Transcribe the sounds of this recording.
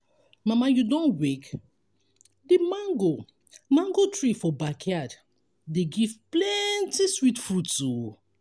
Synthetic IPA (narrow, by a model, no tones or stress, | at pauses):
mãmajudɔ̃nwɛk | demãŋɡo | mãŋɡotɹifɔbakʰjad | deɡivplɛntiswitfɹutu